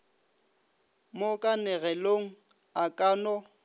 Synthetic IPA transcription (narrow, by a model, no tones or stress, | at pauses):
mokʼanɛɣɛloŋ̩ | akʼaːnɔ